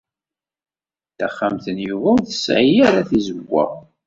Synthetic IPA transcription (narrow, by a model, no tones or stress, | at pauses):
θæχːamθənjuvæwθəsʕijaɾaθizəɡʷːæ̰